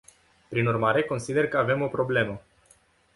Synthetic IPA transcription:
pɾinurmaɾe̞ko̞nsid̪e̞rkəave̞mo̞pɾo̞ble̞mə

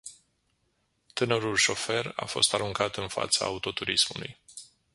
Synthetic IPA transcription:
t̪ɨnəɾulʃo̞fe̞ra̰fo̞̰st̪aɾuŋkat̪ɨnfa̰t̪saaut̪o̞t̪uɾismulṵj

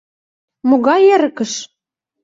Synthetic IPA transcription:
moɣɑjæɾə̆kə̆ʃ

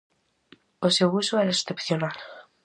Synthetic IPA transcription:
osewusoeɾest̪epθjonal

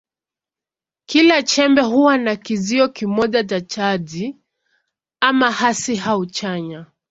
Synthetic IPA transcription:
kilat͡ʃɛmbɛɦuwanakiziɔkimɔʄat͡ʃat͡ʃaʄi | amahasiɦaut͡ʃaɲa

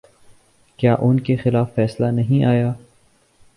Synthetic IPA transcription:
kjaːʔʊnkexɪlaːfːɛːslanɐɦĩʔaːjaː

